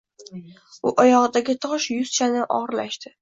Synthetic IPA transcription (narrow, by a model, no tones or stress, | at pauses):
ʊʔɒjɒʁɨd̪aɡʲɪt̪ʰɒʃjʊz̥t͡ʃʰanɪʔɒ̰ʁɾlaʃt̪ɪ